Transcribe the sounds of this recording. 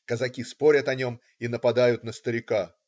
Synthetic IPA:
kəzɐkʲispo̞ɾʲət̪ɐnʲo̞m | inəpɐd̪ajʊt̪nəst̪əɾʲɪka

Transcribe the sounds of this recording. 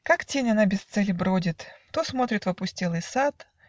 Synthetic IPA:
kaktʲenʲɐnabʲɪst̪sɛlʲɪbɾodʲɪt̪t̪osmo̞t̪ɾʲɪt̪vɐpʊsʲtʲelˠɨjsat̪

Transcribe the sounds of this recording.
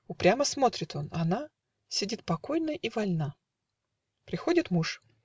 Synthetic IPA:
ʊpɾʲaməsmo̞t̪ɾʲɪt̪o̞nɐna | sʲɪdʲit̪̚pɐko̞jnəʔivɐlʲna | pɾʲɪxo̞dʲɪt̪muʂ

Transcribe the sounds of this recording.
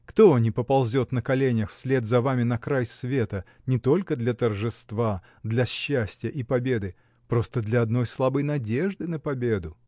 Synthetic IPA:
kt̪onʲɪpəpɐlˠzʲo̞t̪nəkɐlʲenʲɪjəxfsʲlʲe̞d̪zɐvamʲɪnɐkɾajsvʲe̞t̪ə | nʲɪt̪o̞lʲkəd̪lʲɐt̪ərʐɨst̪va | d̪lʲɐɕːæsʲtʲɪjəʔipɐbʲe̞d̪ɨ | pɾo̞st̪əd̪lʲɐɐd̪no̞jslˠabɨjnɐdʲe̞ʐd̪ɨnəpɐbʲe̞d̪ʊ

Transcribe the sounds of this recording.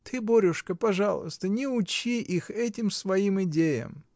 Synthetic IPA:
t̪ʰɨboɾʲʊʂkəpɐʐalˠʊ̰st̪ənʲɪʊt͡ɕiʔixɛtʲɪmsvɐimɪdʲejə̰m

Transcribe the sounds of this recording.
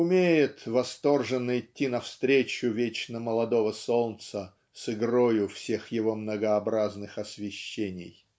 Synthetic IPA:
ʊmʲejɪt̪vɐst̪o̞rʐɨnːɨɪtʲːinɐfst̪ɾʲet͡ɕʊvʲet͡ɕnəməlˠɐd̪ovəsolnt̪sə | sɨɡrojʊfsʲe̞xjɪvo̞mnəɡəɐbɾaznɨxɐsʲvʲɪɕːenʲɪ̰j

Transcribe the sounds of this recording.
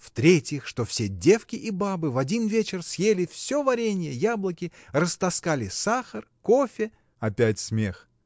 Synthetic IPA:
ft̪ɾʲetʲjɪxʂt̪o̞fsʲedʲe̞fkʲɪʔibabɨvɐdʲinvʲet͡ɕɪrsjelʲɪfsʲo̞vɐɾʲenʲɪjəjablˠəkʲɪrəst̪ɐskalʲɪsaxərko̞fʲɪ | ɐpʲætʲsmʲe̞x

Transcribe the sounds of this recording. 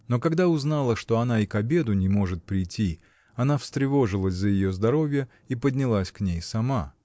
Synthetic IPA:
no̞kɐɡd̪aʊznalˠəʂt̪o̞ɐnaikɐbʲe̞d̪ʊnʲɪmo̞ʐɨt̪̚pɾʲɪjtʲːi | ɐnafst̪ɾʲɪvo̞ʐɨlˠəsʲzəjɪjo̞zd̪ɐɾo̞vʲɪjə | ipədʲnʲɪlˠasʲknʲejsɐma

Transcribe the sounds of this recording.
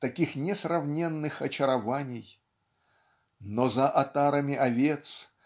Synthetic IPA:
t̪ɐkʲixnʲɪsrɐvnʲenːɨxɐt͡ɕɪɾɐvanʲɪj | nozɐʔɐt̪aɾəmʲɪʔɐvʲe̞t̪s

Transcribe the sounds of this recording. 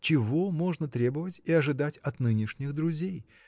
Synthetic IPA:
t͡ɕɪvo̞mo̞ʐnət̪ɾʲe̞bəvətʲɪɐʐɨd̪atʲɐt̪nɨnʲɪʂnʲɪxd̪ɾʊzʲej

